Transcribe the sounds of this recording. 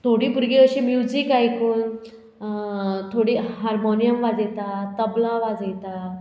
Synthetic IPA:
t̪ʰoɽiːpuɾɡiəɕimjud͡zikajkuːn | t̪ʰoɽiːɦaɾmonijəmʋad͡zet̪at̪əblãʋad͡zejt̪a

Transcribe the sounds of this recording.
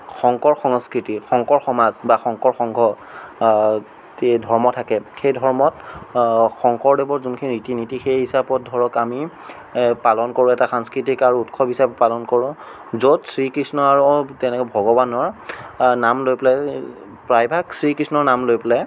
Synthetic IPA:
xɔŋkɔɹxɔŋskɹitixɔŋkɔɹxɔmazbaxɔŋkɔɹxɔŋɡʱɔ | dʱɔɹmɔtʰakɛxejdʱɔɹmɔt | xɔŋkɔɹdebɔɹzunkʰininitinitixejhisabɔt̚dʱɔɹɔkami | palɔnkoɹʊɛtaxaŋskɹitikaɹuutkʰɔbʱisabpalɔnkɔɹʊ̃ | zotsɹikɹisnɔaɹutɛnɛkbʱɔɡɔbanɔɹnamlojplaj | pɹajbʱaksɹikɹisnɔɹnamlojplaj

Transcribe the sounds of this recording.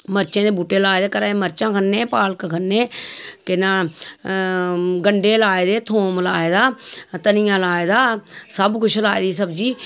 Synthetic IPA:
məɾt͡ʃẽːd̪eːbuːʈeːlaːed̪eːkəɾãːeməɾt͡ʃãːkʰənːeːpaːlkkʰənːeːk̪ɪnãː | ɡəɳɖeːlaːed̪eːt̪ʰoːmlaːeːd̪aːt̪ənɪjãːlaːed̪aːsəbkʊt͡ʃʰlaːed̪iːsəbd͡ʒiː

